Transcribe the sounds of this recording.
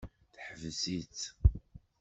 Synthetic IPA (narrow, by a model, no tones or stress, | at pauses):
θħəvsit͡s